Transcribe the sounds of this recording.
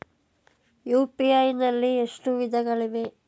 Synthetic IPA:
juːpiɐjnɐlːieʂʈuʋid̪ʱɐɡɐɭiʋe

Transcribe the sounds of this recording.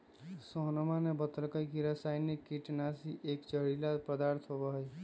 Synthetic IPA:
soɦnmanebət̪əlkəjkiɾasajnikːiʈnasiʔekt͡ʃəɾilapɾəd̪aɾt̪ʰɦobəɦəj

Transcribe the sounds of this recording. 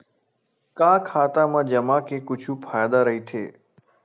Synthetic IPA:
kãːkʰaːt̪amãd͡ʒəmakekʊt͡ʃʰuːpʰaːjd̪aɾəɦit̪ʰḛː

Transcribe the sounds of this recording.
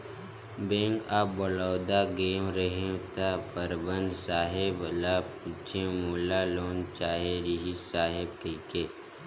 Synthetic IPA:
bẽːŋkaːpbəlaːwd̪aɡeːmɾəɦẽt̪apəɾbə̃nd̪ʱsaːɦɪblat͡ʃẽmʊlːaloːnt͡ʃaːɦeɾiɦisaːɦɪb̚kekeː

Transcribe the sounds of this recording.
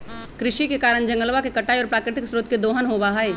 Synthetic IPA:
kɾɪʃikekaːɾəɳ̃d͡ʒɐ̃ŋɡəlʋakekɐʈaːjɔːɾpɾaːkɾɪt̪ɪksɾoːt̪ked̪oːɦənɦobaɦaeː

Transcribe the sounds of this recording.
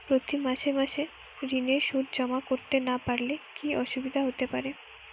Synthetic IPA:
pɾot̪imaʃeɾmaʃe | ɾineɾʃud̪ʱd͡ʑɔmakoɾt̪enapaɾlekiʔɔʃubid̪ʱaɦot̪epaɾe

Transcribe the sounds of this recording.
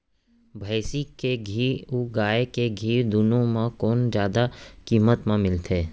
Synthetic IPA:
bʱəːsikeɡʱiːuɡaːekeɡʱiːd̪ʊnõmãkoːnd͡ʒjaːd̪akiːmət̪mẽmɪlt̪ʰeː

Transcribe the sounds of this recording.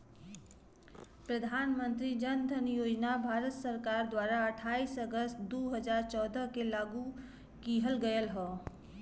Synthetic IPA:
pɾəd̪ʱaːnmə̃nt̪ɾid͡ʒənd̪ʱənjoːd͡ʒnabʱaːɾət̪səɾkaːɾd̪waːɾaəʈʰaːiːsəɡəst̪d̪oːɦəd͡ʒaːɾt͡ʃɔːd̪əkelaːɡu | kiɦəlɡəjəlɦɔː

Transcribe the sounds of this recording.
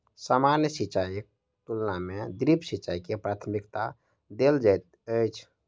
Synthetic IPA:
samanjəsit͡ʃaj | t̪ulnamed̪ɾipsit͡ʃaikepɾat̪ʰmikt̪a | d̪eld͡ʒajt̪̚ | əjt͡ʃʰ

